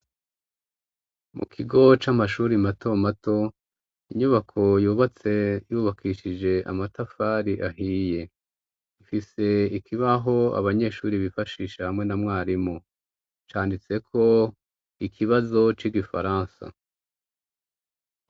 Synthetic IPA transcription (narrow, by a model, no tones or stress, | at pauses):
mṵkʰiɡo̞t͡ʃamaʃuːɾimato̞mato̞ | iɲuβakʰo̞juːβat͡se̞juβakʰiːʃid͡ʒe̞a̰matafaɾiʔaɦiːje̞ | ifise̞ikʰiβaɦo̞a̰βaɲe̞ːʃuːɾiβifaʃiːʃahamŋe̞namŋaːɾimo | t͡ʃaːndit͡se̞kʰo̞ | ikʰiβazo̞t͡ʃiɡifa̰ɾãːnsa̰